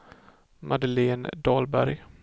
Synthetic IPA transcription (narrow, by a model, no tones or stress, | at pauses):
mʔad̪əleːnd̪ɑːlbæɾj